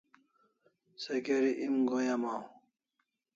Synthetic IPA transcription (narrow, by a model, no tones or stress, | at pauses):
sekeɾiʔimɡojamaw